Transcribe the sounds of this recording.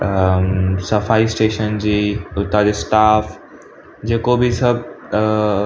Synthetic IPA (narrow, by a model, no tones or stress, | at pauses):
sɐfaːisʈeːʃənd͡ʑiːʊt̪ad͡ʑesʈaːf | d͡ʑeːkobʱisɐb̚